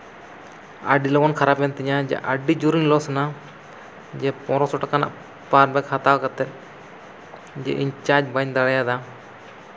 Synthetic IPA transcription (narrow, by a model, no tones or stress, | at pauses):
a̰ɖilɔɡɔnkʰaɾapɛnt̪ɛɲad͡ʒɛ̰ʔaɖid͡ʒuɾiŋlɔsɔna | d͡ʒɛpɔ̃ɾɔsɔʈakana̰ʔ | paɾbɛkhat̪awkat̪ɛt̪̚ˀ | d͡ʒɛ̰ʔiɲt͡ʃad͡ʒbaɲd̪aɽajad̪a